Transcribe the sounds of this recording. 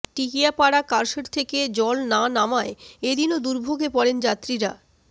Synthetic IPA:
ʈikiapaɽakaɾʃeɾt̪ʰeked͡ʑɔlnanamaeed̪inod̪uɾbʱoɡʱepɔɽend͡ʑat̪ːɾiɾa

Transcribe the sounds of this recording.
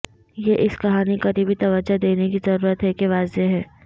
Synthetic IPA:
jeʔɪskɐɦaːnikɐɾibʱit̪ɐʋəd͡ʒad̪eːnekizɐɾuːɾət̪ɦɛkeʋaːzeɦɛː

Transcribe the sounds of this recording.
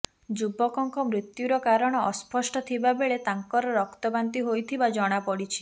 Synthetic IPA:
d͡ʒubɔkɔŋkɔmɾit̪juɾɔkaɾɔɽ̃ɔːspɔsʈɔt̪ʰibabeɭet̪aŋkɔɾɔɾɔkt̪ɔbant̪iɦojt̪ʰibad͡ʒɔɽ̃apɔɽit͡ʃʰi̥

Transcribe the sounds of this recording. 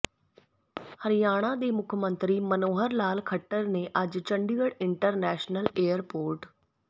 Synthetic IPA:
həɾɪjaːɽ̃ãːd̪eːmʊkʰmə̃nt̪ɾiːmənoːɦəɾlaːlkʰəʈːəɾneːʔəd͡ʒt͡ʃəɳɖiːəɽɪɳʈəɾnɛːʃnəleːəɾpoːɾʈ

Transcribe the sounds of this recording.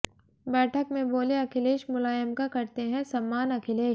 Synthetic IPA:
bɛːʈʰəkmẽboːleɐkʰɪleːʃmʊlaːjəmkakɐɾt̪eɦɛ̃sɐmːaːnɐkʰɪleːʃ

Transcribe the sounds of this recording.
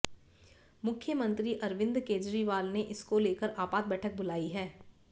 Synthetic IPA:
mʊkʰjəmə̃nt̪ɾiʔɐɾʋɪ̃nd̪keːd͡ʒɾiʋaːlneʔɪskoleːkəɾʔaːpaːd̪̚bɛːʈʰək̚bʊlaːiɦɛː

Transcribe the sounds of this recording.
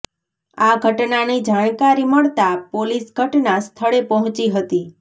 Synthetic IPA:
aɡʱəʈnanid͡ʒaɳ̃kaɾiməɭt̪apolisɡʱəʈnast̪ʰəɭepəɦɔ̃t͡ʃiɦət̪i

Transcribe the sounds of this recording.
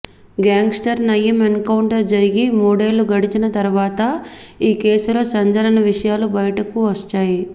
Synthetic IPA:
ɡaːŋɡsʈɐɾnɐjːɐmenkɐwuɳʈɐɾd͡ʒɐɾiɡimuːɽeːluɡɐɽit͡ʃinɐt̪ɐɾuʋaːt̪ɐiːkeːsulo̞ːsɐɲd͡ʒɐnɐnɐʋiʂɐjaːlubɐjɐʈɐkuʋɐst͡ʃːaːji

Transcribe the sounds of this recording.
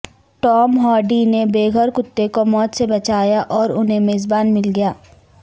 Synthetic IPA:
ʈɔːmɦɔːɖinebeːɡʱəɾkʊt̪ːekomɔːt̪sebɐt͡ʃaːjaʔɔːɾʊnɦemeːzbaːnmɪlɡɐjaː

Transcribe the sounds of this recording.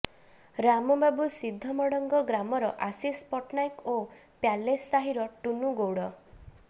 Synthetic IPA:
ɾamɔbabusid̪ʱːɔmɔɽɔŋɡɔɡɾamɔɾɔ̰ʔasispɔʈnajko | pjalesːaɦiɾɔʈunuɡowɽɔ

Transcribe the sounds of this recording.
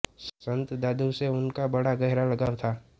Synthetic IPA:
ssə̃nt̪d̪aːd̪uwseʊnkabɐɽaɡɐɦɪɾalɐɡaːʋt̪ʰaː

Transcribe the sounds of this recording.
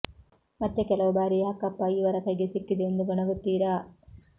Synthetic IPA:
mɐt̪ːekɛlɐʋubaːɾijɦɐkːɐpːɐiʋɐɾɐkɐjɡesikːid̪eːnd̪uɡɔɳɐɡut̪ːiːɾaː

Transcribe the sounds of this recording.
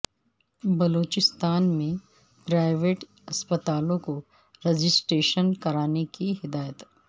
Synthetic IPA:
bɐloːt͡ʃɪst̪aːnmẽ | pɾaːɪʋeːʈ | ɐspət̪aːlõko | ɾed͡ʒɪsʈeːʃənkɐɾaːnekiɦɪd̪aːjət̪

